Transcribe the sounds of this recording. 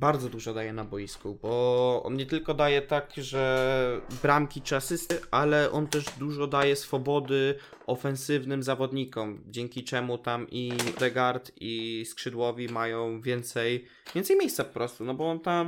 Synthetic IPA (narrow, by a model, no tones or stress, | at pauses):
baɾd̪zɔd̪uʐɔd̪ajɛnabɔjiskubɔɔ̰nɲɛt̪ɘlkɔd̪ajɛt̪akʐɛ | bɾamkʲit͡ʂɘasɘst̪ɘʔalɛʔɔ̰nt̪ɛʐd̪uʐɔd̪ajɛsfɔbɔd̪ɘ | ɔfɛ̃nsɘvnɘmzavɔd̪ɲikɔmd͡ʑɛŋʲkʲit͡ʂɛmut̪amʔid̪ɛɡaɾt̪iskʂɘd̪wɔvʲimajɔ̃w̃vʲjɛnt̪sɛj | vʲjɛnt̪sɛjmʲejst̪sapɔ̥pɾɔst̪unɔbɔɔnt̪am